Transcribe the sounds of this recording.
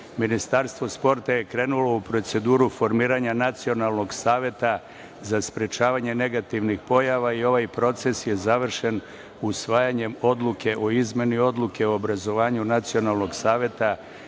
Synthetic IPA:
minist̪aɾst̪ʋo̞spo̞ɾt̪aje̞kɾe̞ːnulo̞upɾo̞t̪se̞d̪uːɾufo̞ɾmiːɾaɲanat̪sio̞nalˠno̞ɡsaːʋje̞t̪a | zaspɾe̞t͡ʃaːʋaɲe̞ne̞ɡat̪iʋnixpo̞jaʋaio̞ʋajpɾo̞t̪se̞sje̞zaʋr̩ʃe̞n | usʋaːjaɲe̞mo̞d̪lˠukʰe̞ʔo̞izme̞nio̞d̪lˠuke̞oobɾazo̞ʋaːɲunat̪sio̞nalˠno̞ɡsaːʋje̞t̪a

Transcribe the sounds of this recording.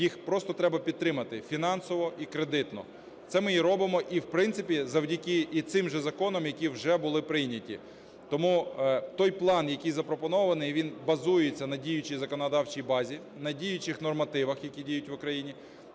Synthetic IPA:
jixpɾɔst̪ɔt̪ɾɛbɐpʲid̪̚t̪ːɾɪmɐt̪ɪfʲinɑnsɔʋɔikɾed̪ɪt̪nɔ̰ | t̪sɛmɪjiɾɔbɪmɔʔiwpɾɪnt̪sɪpʲizɐwdʲɐkʲɪit̪sɪmʒɛzɐkɔnɔmjɐkʲiwʒɛbʊlˠɪpɾɪjnʲɐtʲḭ | t̪ɔmut̪ɔjplˠɑnjɐkʲijzɐpɾɔpɔnɔʋɐnɪjʋʲinbɐzujɪt͡sʲːɐnɐdʲijʊt͡ʃijzɐkɔnɔd̪ɑwt͡ʃijbɑzʲi | nɐdʲijʊt͡ʃɪxnɔrmɐt̪ɪʋɐxjɐkʲidʲijʊtʲʋʊkɾɐjinʲi

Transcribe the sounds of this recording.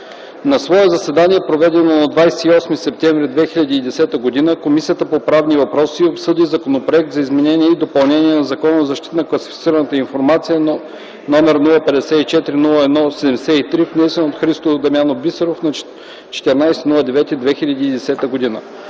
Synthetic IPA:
nɐsvɔɛzɐsɛd̪aniɛpɾovɛd̪ɛnonɐd̪vajsɛiɔsmisɛp̚t̪ɛɱvɾid̪vɛxilʲɐd̪iːd̪ɛsɛt̪əɡod̪inəkomisijət̪əpopɾavnivɐpɾɔsiopsɤd̪izɐkonopɾoɛk̚t̪zɐizmɛnɛniɛid̪opɐlˠnɛnʲiɛnɐzɐkɔnozɐʃt̪it̪ənɐklˠɐsifʲit̪siɾənət̪əinfoɾmat̪sijə | nɔmɛɾnulˠəpɛd̪ɛsɛit͡ʃɛt̪ɾinulˠəɛd̪nɔsɛd̪ɛmɛsɛit̪ɾifnɛsɛnot̪xɾist̪od̪ɐmjanobisɛɾofnɐ | t͡ʃɛ̥t̪ɛɾnajsɛnulˠəd̪ɛvɛt̪iid̪vɛxilʲɐd̪iːd̪ɛsɛt̪əɡod̪inə̰

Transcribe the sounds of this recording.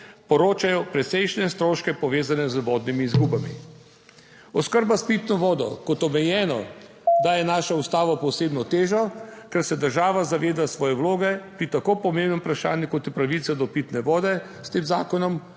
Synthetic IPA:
pɔɾoːt͡ʃajɔpɾɛt̪sɛjʃnɛst̪ɾoːʃkɛpɔʋeːzanɛzʋɔːd̪nimiːzɡuːbamḭ | ɔskəɾbaspit̪nɔʋɔːd̪ɔ̰kɔt̪ɔmɛjɛːnɔ̰ | d̪ajɛnaːʃaust̪aːʋɔpɔseːbnɔt̪eːʒɔkɛɾsɛd̪əɾʒaːʋazaʋeːd̪asʋɔːjɛwloːɡɛpɾit̪akoːpɔmẽmbnɔmpɾaʃa̰ːnjukɔt̪ipɾaʋit̪sɛd̪ɔpiːt̪nɛʋɔːd̪ɛ | st̪eːmza̰ːkɔnɔm

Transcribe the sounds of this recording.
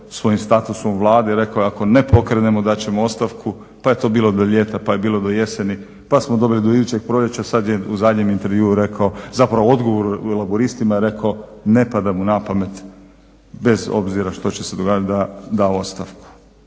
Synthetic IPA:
sʋo̞jimst̪at̪usomʋlˠaːd̪eɾe̞kaojeako̞ne̞po̞kɾenemod̪at͡ɕe̞moost̪aʋkʰu | paje̞t̪o̞ːbiːlˠod̪oʎe̞ːt̪apajebiːlo̞d̪oje̞seni | pasmo̞d̪o̞bilid̪o̞id̪uːt͡ɕe̞ɡ̚pɾo̞ʎet͡ɕasad̪jeuzad̪ɲe̞mint̪e̞ɾʋjuːuɾe̞kʰao̞zapɾaʋoo̞d̪ɡoʋo̞ɾuelˠaboɾist̪imaiɾe̞kaone̞pad̪amunapame̞t̪ | be̞zo̞̰bziɾaʃt̪o̞t͡ɕese̞d̪o̞ɡaːd͡ʒat̪d̪ad̪ao̞st̪aʋku̥

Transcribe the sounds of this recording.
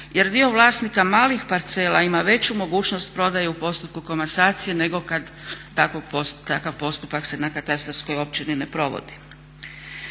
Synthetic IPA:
je̞ɾd̪io̞ʋlˠaːsnikamaːlixpaɾt̪se̞ːlˠaimaʋe̞t͡ɕumo̞ɡuːt͡ʃno̞st̪pɾo̞d̪ajeupo̞st̪upkuko̞masaːt̪sije̞ne̞ɡo̞kad̪ː | akopot̪akaʋpo̞st̪upakse̞nakat̪ast̪ɾofsko̞jo̞p̚t͡ɕinine̞pɾo̞ʋo̰d̪i̥

